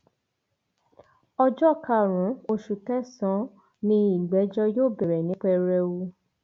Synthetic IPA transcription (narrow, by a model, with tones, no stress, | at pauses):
ɔ˧d͡ʒɔ˦˨ka˦˧˨ɾ̃ũ˨˦o˧ʃu˨tɛ˦sɔ̃˨˦ | nĩ˧i˨ɡ͡bɛ˨˦d͡ʒɔ˦joː˦˨bɛ˨ɾɛ˨nĩ˨˦k͡pɛ˧ɾɛ˧wu˧